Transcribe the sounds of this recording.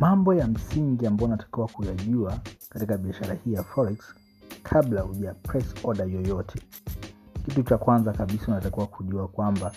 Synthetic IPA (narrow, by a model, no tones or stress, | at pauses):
mambɔjam̩siŋɡiambaɔnatḁkiwakujaʄuakatikaɓiaʃaɾahiːjafɔliks | kʰaɓlahuʄapɾɛsɔɗajɔjɔtʰɛ̥ | kitut͡ʃakwanzakaɓisaunatakiwakuʄuakwamba